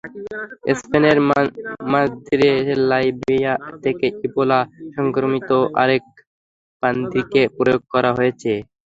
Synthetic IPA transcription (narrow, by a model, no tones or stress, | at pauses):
ḛspeneɾmazd̪ʱiɾelajbijat̪ʰekeibolaʃɔŋkɾomit̪oʔa̰ɾek̚ | b̥and̪ikepɾojoɡ̚kɔɾaɦojet͡ɕʰe